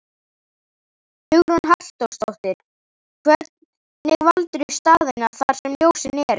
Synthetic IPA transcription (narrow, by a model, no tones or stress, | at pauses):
hʏɣɾɔnɦal̥t̪owst̪owht̪ɪɾ̥ | kʰvɛɾt̪n | nɪɣvalt̪ɾʏst̪aːðenaɾ̥θaɾ̥sɛmljoːwsɪnɛɾ